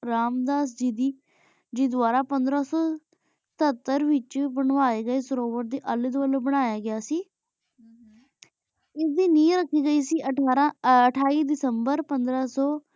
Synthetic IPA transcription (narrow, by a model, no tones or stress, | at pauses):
ɾaːmd̪aːs̬d͡ʒɪd̪iː | d͡ʒid̪ʋaːɾaːpənd̪ɾaːsɔ̥ː | t̪ʰət̪ːəɾʋɪt͡ʃbəɳʋaːeːɡəeːsʊɾoːʋəʈ̚d̪iːʔəlɪt̪ʋəloːbəɽ̃aːjaːɡɪjaːsiː | ɪsd̪iːnĩːɾəkʰːiːɡəiːsiːʔəʈaːɾãəʈʰaːiːd̪ɪsəmbəɾpənd̪ɾaːsɔː